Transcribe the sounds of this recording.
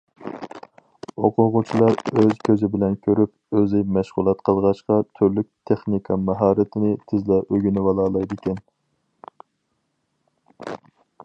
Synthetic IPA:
oqʰʊʁʊt͡ʃʰilˠɑɾøzkʲʰøzɪbɪlɛnkʲʰøɾyp | øzɪmɛʃʁʊlˠɑt̪qʰəlˠʁɑʃqɑt̪ʰyɾlyk̚ʲt̪ʰeχnikʰɑmɑɦɑːɾɪt̪ʰɪnɪt̪ʰɪzlɛʔøɡʲynɪvɑlˠɑːlˠɑjd̪ɪkʲʰɛn

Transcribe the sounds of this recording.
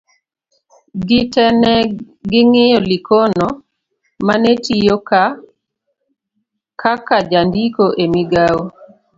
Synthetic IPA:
ɡɪtɛnɛ | ɡɪŋɪjɔlɪkonɔ | manetijoka | kakad͡ʒandikoʔemiɡawo

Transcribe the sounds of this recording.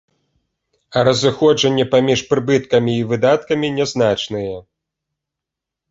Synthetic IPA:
ɐɾɐzɨxɔʐɐnʲːɛpamʲiʂpɾɨbɨt̪̚kɐmʲiːvɨd̪at̪kɐmʲinʲɛznat͡ʂnɨjɛ

